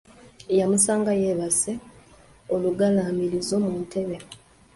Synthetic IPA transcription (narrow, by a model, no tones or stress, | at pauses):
jamusaːŋɡaje̞βase | oluɡalaːmiɾizo̞muːntʰe̞βe